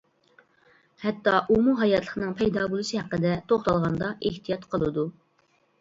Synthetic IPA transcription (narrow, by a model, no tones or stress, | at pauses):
hɛt̪ːɑʔumuɦɑjɑt̪lˠəχənɨŋpʰɛjd̪ɑbulˠɨʃɨhæqːəd̪ɛt̪ʰoχt̪ɑlˠʁɑnd̪ɑʔeht̪ijɑt̪qʰəlˠɨd̪u